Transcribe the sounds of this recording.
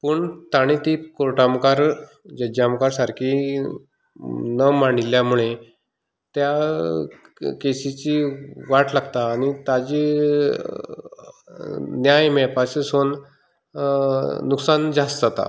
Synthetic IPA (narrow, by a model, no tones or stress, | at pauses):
puːɳt̪aɽ̃it̪ikoɾʈamkaɾ | d͡ʑəd͡ʑamkaɾsaɾkʰi | nəmaɳ̃iljamuɭe | t̪ja | kesit͡ɕiʋaʈlaɡt̪aːñit̪ad͡ʑi | njajmɛpaseson | uksand͡zasd͡zat̪a̰